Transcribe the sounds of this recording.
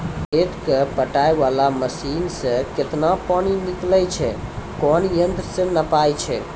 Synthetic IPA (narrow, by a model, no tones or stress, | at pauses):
eʈkepəʈajʋalaməsinsə̃ket̪napaɽ̃iniklɛt͡ʃʰɛkɔnjənd̪ɾəsẽnəpajt͡ʃʰɛ